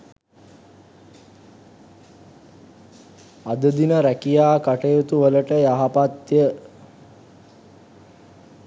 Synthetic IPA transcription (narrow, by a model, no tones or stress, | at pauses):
ad̪əd̪inəɾækijaːkaʈejot̪uʋələʈəjaɦapat̪jə